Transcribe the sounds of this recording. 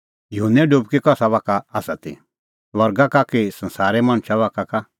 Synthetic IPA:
juɦənːɛɖub̚kikɔsaʋaːkaːsat̪ḛ | lɔɾɡakakesɐ̃nsaːɾɛmaːñʃaʋaːkaka

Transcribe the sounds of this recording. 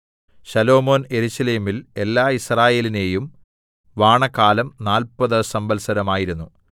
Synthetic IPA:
ɕɐlo̞ːmo̞ːne̞ɾuɕɐleːmile̞lːaːisraːje̞ːline̞jum | ʋaːɳɐkaːlɐmnaːlpɐðɨsɐmbɐlsɐɾɐmaːjiɾunːu

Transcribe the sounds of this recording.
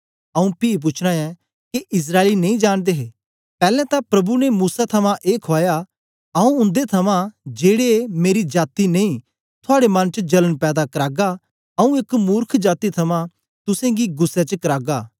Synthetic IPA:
ɐũpiːp̬ʊt͡ʃʰɽãɛ̃ | keʔɪs̬ɾaːelinɐ̃ĩd͡ʒaːɽ̃d̪eɦeː | pɛːlɛ̃t̪ãpɾɐbunemuːsat̪ʰɐmãʔeːkʰoaːja | ɐũʊ̃nd̪et̪ʰɐmãd͡ʒeːɽeemeːɾid͡ʒaːt̪ineĩ | t̪ʰʊaːɽemɐ̃nt͡ʃəd͡ʒɐlənpɛːd̪akɐɾaːɡa | ɐũɪkmuːɾkʰd͡ʒaːt̪it̪ʰɐmã | t̪ʊsẽɡiɡʊsːet͡ʃəkɐɾaːɡaː

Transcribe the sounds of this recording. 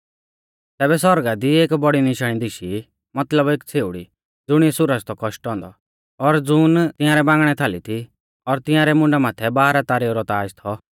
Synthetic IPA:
t̪ɛːbɛsɔɾɡad̪ieːkbɔɽinɪʃəɽĩd̪ɪʃi | mɐt̪ləbeːkt͡sʰeːuɽḭ | d͡zʊɽ̃iɛsʊɾəst̪ɔkɔʃʈɔ̃ːnd̪ɔ | ɔɾd͡zʊːnt̪ɪ̃jaːɾɛbãːŋɡɽ̃ɛt̪ʰaːlit̪ʰi | ɔɾt̪ɪ̃jãːɾɛmʊ̃ɳɖamaːt̪ʰɛbaːɾat̪aːɾeɾɔt̪aːd͡ʒt̪ʰɔ

